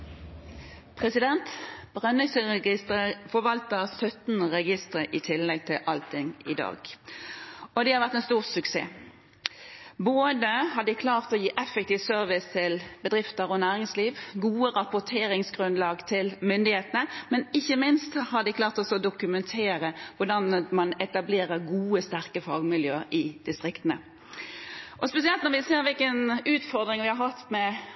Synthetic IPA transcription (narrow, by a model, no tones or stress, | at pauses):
pʰʁɛsɪd̪ɛnt̪b̥ʁœnɪsəʁɛɡɪst̪əʁəfɔɾʋɑlt̪əsœt̪n̩ʁɛɡɪst̪ʁəʔɪt̪ʰɪlːɛɡ̚t̪ʰɪlʔɑlt̪ʰɪŋɪ̰d̪ɑ̰ːɡ̥ | ɔd̪ɛhɑɾʁʋæʁt̪ɛnst̪uːʁsʉksḛː | boːd̪əhɑd̪ɪkʰlɑːʁt̪ɔjiːʔɛfɛk̚t̪ʰiːʋsœɾʋɪst̪ʰɪlbəd̪ʁɪft̪əɾɔnæːʁɪŋsliːʋɡuːəʁɑpʊt̪ʰeːɾɪŋsɡʁʉnlɑːɡt̪ʰɪlmʏnd̪ɪheːt̪ənəmɛnɪçːəmɪnst̪shɑd̪ɪklɑːʁt̪ɔsɔd̪ʊkʉmɛnt̪ʰeːɾəʋʊɖɑnmɑnɛt̪ɑbleːɾəɾɡuːəst̪æɾkəfɑːɡmɪljø̰ːɾʔɪd̪̥ɪst̪ʁɪkt̪ənə | ʔɔspɛsɪɛlt̪nɔʁʋɪseːɾʋɪlkənʉːt̪fɔʁd̪ɾɪŋʋɪhɑɾʁhɑt̪mɛ